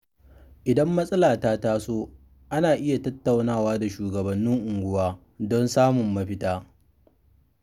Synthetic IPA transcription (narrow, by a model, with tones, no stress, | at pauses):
ʔɪ˨dɐ˦mːɐ˦sʼɐ˦laː˨taː˦taː˦soː˦ | ʔa˦naː˨ʔɪ˦ja˨tɐ˦tːa˨wnaː˦˨waː˦da˨ʃuː˨ɡɐ˨bɐ˨nːɪ˦ŋʔʊ˨ŋɡʷʊ˦waː˦ | dɔ˦nsaː˦mʊ˨mːɐ˦ɸɪ˦taː˦